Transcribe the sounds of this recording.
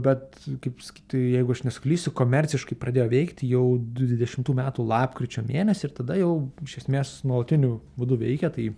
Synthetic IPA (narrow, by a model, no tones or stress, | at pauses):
bʲɛt̪ | kɐɪpsɐ̥kʲiːt̪ʲjɛɪɡʊɐʃnʲɛsʊkʲlʲiːsʲʊkoːmʲɛɾʲt͡s̪ʲɪʃkɐɪpɾɐd̪ʲeːjoːʋʲɛɪkt̪ʲjɛʊʋʲɪd̪ʲɛʃʲɪmt̪uːmʲæːt̪uːlˠɑːpkɾʲɪt͡ʃʲoːmʲeːnʲɛsʲɪɪɾt̪ɐd̪ɐjɛʊɪʃʲɛsʲmʲeːsnuɔlˠɐt̪ʲɪnʲʊbud̪ʊʋʲɛɪkʲɛt̪ɐɪ